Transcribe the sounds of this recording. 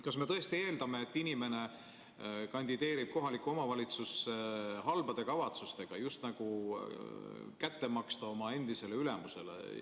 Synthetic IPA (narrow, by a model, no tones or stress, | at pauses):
kɑsme̞t̪ɤe̞st̪ie̞ːld̪̥ɑme̞ːt̪ːinime̞ne̞ | kɑnʲd̪̥id̪̥e̞ːɾib̥̚ko̞ɦɑlikːˑuo̞mɑvɑlʲit̪suseɦɑlb̥ɑd̪e̞kɑvɑt̪sust̪e̞ɡ̥ɑjust̪nɑɡ̥u | kæt̪ːe̞mɑkst̪ɑomɑe̞nd̪̥ise̞le̞yle̞muse̞̰lḛ